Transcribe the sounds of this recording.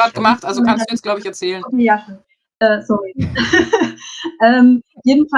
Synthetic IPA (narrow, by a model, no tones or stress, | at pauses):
aːt̚ɡ̥əmaχtʔalzokʰanstd̥uːɛsɡ̥laʊbəɪçɛɐt͡sɛːlənokʰeːjaːʃon | ʔɛːsɔʁi | ʔɛːmjeːdn̩fa